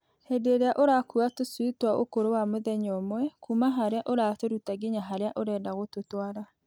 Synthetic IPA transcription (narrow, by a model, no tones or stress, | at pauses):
hedeɾeaʔoɾakuatosuitwao̰koɾowamoðɛɲɔmwɛkumaɦaɾeaʔoɾaːtoɾutaɡeɲaɦaɾeaʔoɾɛːdaɣototwaɾa